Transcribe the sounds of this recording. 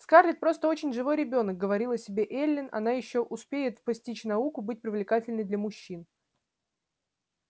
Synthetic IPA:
skarlʲɪt̪̚pɾo̞st̪əo̞t͡ɕɪnʲʐɨvo̞jɾʲɪbʲo̞nək̚ɡəvɐɾʲilˠɐsʲɪbʲe̞ʔelʲːɪnɐ̰najɪɕːo̞ʔʊspʲejɪt̪pɐsʲtʲit͡ɕnɐukʊbɨt̚ʲpɾʲɪvlʲɪkatʲɪlʲnɨjd̪lʲəmʊɕːin

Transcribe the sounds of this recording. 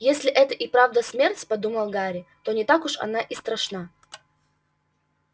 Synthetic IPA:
jesʲlʲɪʔɛt̪əʔɪpɾavd̪əsʲmʲertʲpɐd̪uməlˠɡaɾʲɪt̪onʲɪt̪akʊʂɐ̰naʔɪst̪ɾɐʂna

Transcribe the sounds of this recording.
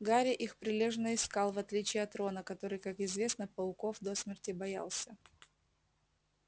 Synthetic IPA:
ɡaɾʲɪʔixpɾʲɪlʲe̞ʐnəɪskɑlˠvɐt̪lʲit͡ɕɪjɐt̪ɾo̞nəkɐt̪o̞ɾɨjkakɪzvʲe̞snəpɐlˠko̞fd̪osmʲɪrtʲɪbɐja̰lˠsʲə

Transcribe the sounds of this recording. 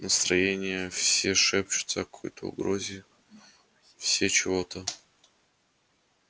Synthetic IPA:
nəst̪ɾɐjenʲɪjəfsʲeʂɛp̚t͡ɕʊ̥t̪səkɐ̥kʰo̞̰jt̪ʰəʊ̰ɡɾozʲɪ | fsʲet͡ɕɪvo̞t̪ə

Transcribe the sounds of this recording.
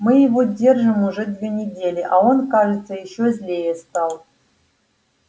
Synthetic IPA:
mɨjɪvodʲe̞rʐɨmuʐɛd̪ʲvʲenʲɪdʲelʲɪʔaonkaʐɨt̪səjɪɕːozʲlʲejəst̪ɑlˠ

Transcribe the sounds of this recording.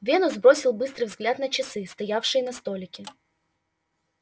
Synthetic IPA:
vʲenʊzbɾo̞sʲɪlˠbɨst̪ɾɨjvzɡlʲat̪nət͡ɕɪsɨst̪ɐjafʂɨjɪnɐst̪o̞lʲɪkʲɪ

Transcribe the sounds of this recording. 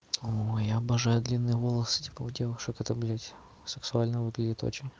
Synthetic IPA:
ojaɐbɐʐajʊd̪lʲinːɨjəvolˠəsɨ̥tʲi̥pəʊdʲevʊʂɨkət̪əblʲatʲ | sɨksʊalʲnəvɨɡlʲɪdʲɪt̪o̰t͡ɕɪnʲ

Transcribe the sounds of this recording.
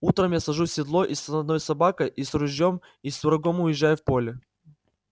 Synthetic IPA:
ut̪ɾəmjasɐʐusʲːɪd̪lˠo̞ʔisnɐd̪no̞jsɐbakəjʔisɾʊʑʲjom | isd̪ʊɾɐɡo̞mʊjɪʑːajʊfpo̞lʲɪ

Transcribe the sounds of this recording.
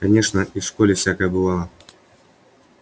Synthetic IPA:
kɐnʲeʂnəifʂkolʲɪfsʲakəjəbɨlˠalˠə

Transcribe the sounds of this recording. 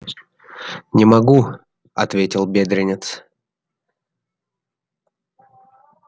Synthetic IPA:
nʲɪmɐɡu | ɐ̰t̪vʲetʲɪlˠbʲed̪ɾʲɪnʲɪt̪s

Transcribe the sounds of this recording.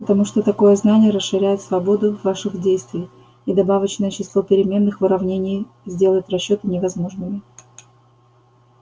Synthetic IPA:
pət̪ɐmuʂt̪ot̪ɐko̞jəznanʲɪjəɾəsʂɨɾʲæjɪt̪svɐbo̞d̪ʊvaʂɨxdʲejst̪vʲɪj | id̪ɐbavət͡ɕnəjət͡ɕɪslˠo̞pʲɪɾʲɪmʲe̞nːɨxvɨɾɐvnʲenʲɪj | zʲdʲe̞lˠəɪt̪rɐɕːo̞t̪ɨnʲɪvɐzmo̞ʐnɨmʲɪ

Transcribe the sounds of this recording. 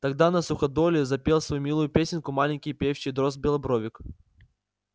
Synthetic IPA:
t̪ɐɡd̪anɐsʊxɐd̪olʲɪzɐpʲelˠsvɐjumʲilˠʊjʊpʲesʲɪnʲkʊmalʲɪnʲkʲɪjpʲefɕɪjd̪ɾozbʲɪlˠɐbɾovʲɪk

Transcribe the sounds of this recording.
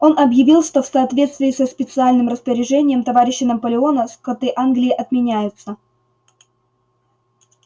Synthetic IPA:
o̞nʔɐbjɪvʲilˠʂt̪o̞fsɐːt̪vʲe̞t̪st̪vʲɪːsəspʲɪt̪sɨalʲnɨmrəspəɾʲɪʐɛnʲɪjəmt̪ɐvaɾʲɪɕːɪnəpəlʲɪo̞nəskɐt̪ɨʔanɡlʲɪːʔɐt̪mʲɪnʲæjʊt̪sə

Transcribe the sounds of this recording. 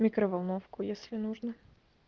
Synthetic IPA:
mʲikɾəvɐlˠnofkʊjesʲlʲɪnuʐnə

